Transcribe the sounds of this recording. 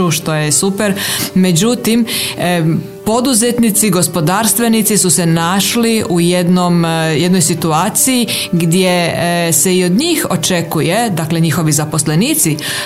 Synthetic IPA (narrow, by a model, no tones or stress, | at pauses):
uʃt̪o̞jesupeɾme̞d͡ʑut̪im | po̞d̪uzet̪nit̪siɡo̞spo̞d̪aːɾst̪ʋe̞nit̪sisuse̞naʃliʔujed̪nomjed̪no̞jsit̪uaːt̪siji | ɡd̪je̞se̞io̞d̪ɲiːxo̞t͡ʃe̞kuje̞d̪akle̞ɲixo̞ʋizapo̞sle̞niːt̪si